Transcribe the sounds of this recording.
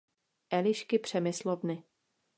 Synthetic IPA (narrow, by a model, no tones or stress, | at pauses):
ʔɛlɪʃkɪpr̝̥ɛmɪslovnɪ